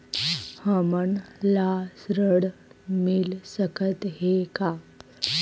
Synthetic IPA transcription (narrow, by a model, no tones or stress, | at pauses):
həməɳlasɾəɽmilsəkʰət̪ɦeka